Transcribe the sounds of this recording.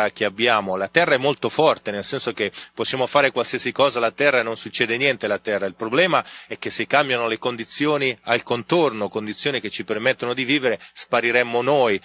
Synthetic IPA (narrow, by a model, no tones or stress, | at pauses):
ak̟eabjaːmolat̪ɛrːaɛmːolt̪ofɔrt̪enelsɛnsok̟epːosːjaːmofaːɾekwalsiːasikɔːzalat̪ɛrːanonsut͡ʃːɛːd̪enjɛnt̪elat̪ɛrːailpɾoblɛːmaɛk̟ːesːekːambjanolekond̪it̪sːjoːnialkont̪ornokond̪it̪sːjoːnik̟et͡ʃːipermet̪ːonod̪iviːveɾespaɾiɾɛmːonoːj